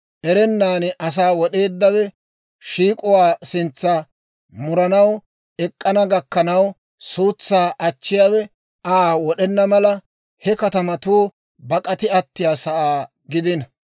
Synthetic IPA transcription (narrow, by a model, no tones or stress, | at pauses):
ʔɛɾɛnːaːnʔɐs̬aːwɔɗe̞ːd̪ːɐwɛ | ʃiːkʼʊwaːsɪnt͡sːɐ | mʊɾɐnɐw | ɛkʼːɐnɐɡɐkːɐnɐw | suːt͡sːaːʔɐt͡ʃːɪjaːwɛ | ʔaːwɔɗɛnːɐmɐlɐ | hɛkɐt̪ɐmɐt̪uː | bɐkʼɐt̪ɪɐt̪ːɪjaːsɐʔaː | ɡɪd̪ɪnɐ